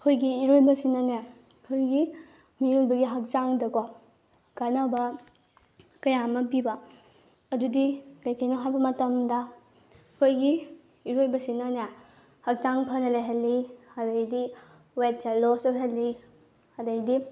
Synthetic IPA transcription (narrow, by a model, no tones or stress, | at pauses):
kʰojɡiːɾojbɐsinɐne | kʰojɡi | mijulbɐɡiɦɐk̚zaŋdɐko | kanawbɐ | kɐjamɐp̬ibɐ | ɐdudikɐjkʰɐjnɐɦajbɐmɐtɐmdɐ | kʰojɡi | iɾojbɐsinɐna | hɐk̚zaŋpʰɐnɐlajɦɐlːihadɐjdi | wet̚t͡ʃalosɔɦelːi | hadɐjdi